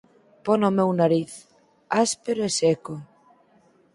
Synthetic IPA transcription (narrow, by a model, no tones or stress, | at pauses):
pɔnomewnaɾiθ | aspeɾoeseko